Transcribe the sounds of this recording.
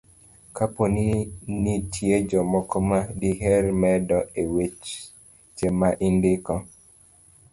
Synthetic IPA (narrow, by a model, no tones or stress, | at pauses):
kaponinitʰjed͡ʒɔmɔkɔmadiɦɛrmɛdɔewet͡ʃ | t͡ʃemaʔindɪkɔ